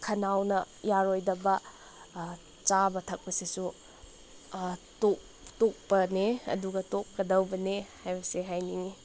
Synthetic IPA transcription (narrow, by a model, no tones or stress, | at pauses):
kʰɐnawnɐ | jaɾojdɐbɐ | t͡ʃabɐtʰɐk̚pɐsisu | tok̚ | tok̚pɐneɐ̰duɡɐtok̚kɐdɐwbɐnehajbɐseɦajniŋi